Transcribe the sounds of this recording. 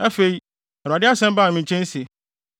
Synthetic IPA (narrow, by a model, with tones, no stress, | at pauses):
a˦fe˨i˦ | ɛ˨ɾa˨ɪ˦a˦sɛ̃˦m˦baː˦˨mĩ˨t͡ɕʰɛ̃˦n˦si˨